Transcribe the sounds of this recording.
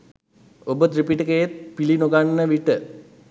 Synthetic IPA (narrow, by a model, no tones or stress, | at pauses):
obət̪ɾipiʈəkəjet̪̚pilinoɡanːəʋiʈə